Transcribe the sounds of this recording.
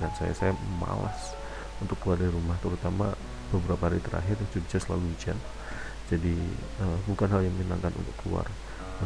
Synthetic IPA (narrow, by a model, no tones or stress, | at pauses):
dansaja̰sajama̰la̰s | unt̪ʊkːəluardiɾumaht̪əɾut̪ama̰ | b̥əbəɾapaɦaɾit̪əɾa̰ɦɪrd͡ʒudid͡ʒasəla̰luid͡ʒa̰n | d͡ʒadi | əbukanɦaljaŋmina̰ŋkanṵnt̪ʊkːəlṵa̰r